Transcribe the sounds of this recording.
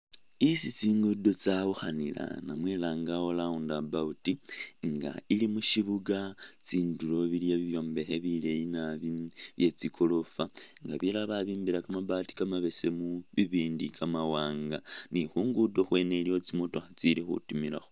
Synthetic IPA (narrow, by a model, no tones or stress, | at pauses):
isit͡siːŋɡudo̞t͡saβuxanila̰namweːlaːŋɡao̞laundabautiŋɡa̰ilimuʃiβuɡat͡siːnduɾo̞βiljaβiβjo̞ːmbe̞xe̞βile̞jinaβiβjet͡sikʰolo̞faŋɡaβilaβaβiːmbiɾakamabati̥kamaβe̞se̞muβiβiːndikamawaːŋɡanixuːŋɡudo̞xwe̞ːneljo̞t͡simoto̞xat͡silixṵtumila̰xo